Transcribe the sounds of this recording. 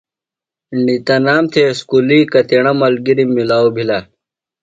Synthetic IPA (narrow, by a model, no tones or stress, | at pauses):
ɳit̪ɐnaːmt̪ʰeskulikɐt̪eɽɐmɐlɡiɾimːilaːobʱilɐ